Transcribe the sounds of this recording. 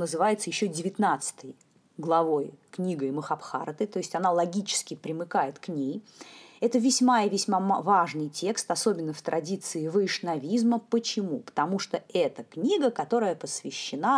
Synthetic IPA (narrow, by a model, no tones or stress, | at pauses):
nəzɨvajɪt̪səjɪɕːodʲɪvʲɪt̪nat̪sɨ̥t̪ɨj | ɡlˠɐvo̞jknʲiɡəməxɐpxa̰ɾt̪ɨt̪o̞ɪsʲtʲɐnalˠɐɡʲit͡ɕɪ̥skʲɪpɾʲɪmɨkajɪt̪knʲej | ɛt̪əvʲɪsʲmaɪvʲɪsʲmamvaʐnɨjtʲe̞kst̪ɐso̞bʲɪnːəft̪ɾʔɐdʲit̪sɨɪvɨʂnɐvʲizməpət͡ɕɪmupə̥t̪ɐmuʂt̪oɛt̪əknʲiɡəkɐt̪o̞ɾəjəpəsvʲɪɕːɪna